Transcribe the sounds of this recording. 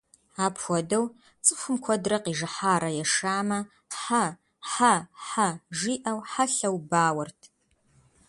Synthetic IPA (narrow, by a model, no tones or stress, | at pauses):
aːpxʷɔdɐw | t͡sʼɨxʷʊmkʷʰɔdrɐqiːʐɨħaːɾɐjɛʂaːmɐ | ħa | ħaħaʒiːʔɐwħaɬɐwbaːwɐrtʰ